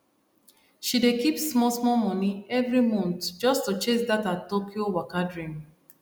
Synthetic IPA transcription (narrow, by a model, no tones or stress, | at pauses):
ʃidekipsmɔsmɔmɔ̃niɛvɹimɔ̃ntd͡ʒɔstut͡ʃesdatatːokʰiowakadɹĩm